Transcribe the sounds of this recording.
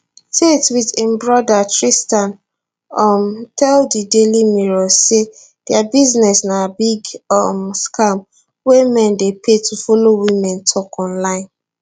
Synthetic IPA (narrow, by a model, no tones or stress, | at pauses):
tetwitĩmbɹɔdatɹistãn | ɔmtʰɛldidelimiɹɔse | d̥ɛabiznɛsnabiɡɔmskam | wemɛ̃ndepʰetʰufolowimɛ̃ntʰɔkɔ̃nlãɪ̃n